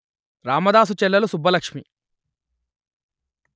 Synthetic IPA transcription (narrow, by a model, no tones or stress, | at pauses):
ɾaːmɐd̪aːs̬ut͡ʃɛlːɐlusubʱːɐlɐkʂmi